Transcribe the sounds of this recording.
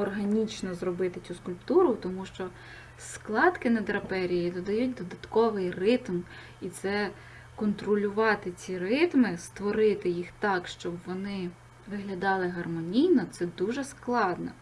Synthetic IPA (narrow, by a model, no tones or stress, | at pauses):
ɔrɦɐnʲit͡ʃnɔzrɔbɪt̪ɪt͡sʲuskʊlʲpt̪uɾʊt̪ɔmuʃt͡ʃɔ | sklˠɑd̪kɪnɐd̪ɾɐpɛɾʲijid̪ɔd̪ɐjut̚ʲd̪ɔd̪ɐt̪kɔʋɪjrɪt̪m | it̪sɛ | kɔnt̪ɾɔlʲʊʋɑt̪ɪt͡sʲirɪt̪mɪst̪ʋɔɾɪt̪ɪjixt̪ɑkʃt͡ʃɔbʋɔnɪ | ʋɪɦlʲɐd̪ɑlˠɪɦɐrmɔnʲijnɔt̪sɛd̪uʒɛsklˠɑd̪nɔ̰